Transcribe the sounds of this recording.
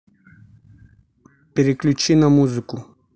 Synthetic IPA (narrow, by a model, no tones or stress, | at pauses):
peɾiklʲut͡ʃinamuzɨku